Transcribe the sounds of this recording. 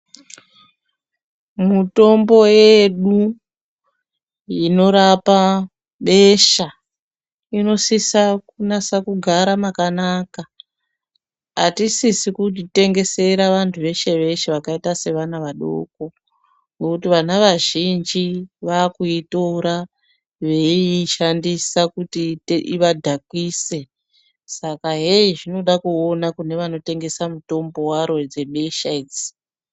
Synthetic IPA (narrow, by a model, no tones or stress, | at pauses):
muto̞mbo̞jeɗu | ino̞ɾapa | ɓe̞ʃa | ino̞sisakunasakuɡʱaɾamakanaka | atisisikutite̞ŋɡe̞se̞ɾaʋantʰuʋe̞ʃe̞ʋe̞ʃeʋakaitase̞ʋanaʋaɗo̰ko | ŋɡokutiʋanaʋaʒind͡ʒiʋakuitoɾa | ʋe̞iʃandisakutieʔiʋadʱakwise̞ | sakaɦeiʐino̞ɗakuonakune̞ʋano̞te̞ŋɡe̞samuto̞mbo̞waɾo̞d͡ze̞ɓe̞ʃaid͡zi̥